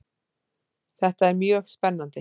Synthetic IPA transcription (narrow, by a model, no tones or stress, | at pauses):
θɛht̪aɛɾmjœːɣspɛnːant̪ɪ